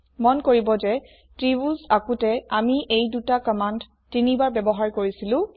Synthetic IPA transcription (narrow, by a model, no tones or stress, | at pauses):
mɔnkoɹibɔzɛ | tɹibuzakutɛamiʔejdutakɔmand | tinibaɹbɛbɔɦaɹkoɹisilʊ̃